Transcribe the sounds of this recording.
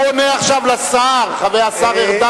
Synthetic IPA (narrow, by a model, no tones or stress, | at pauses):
oneaχʃavlasaʁχavejasaʁeʁd̪a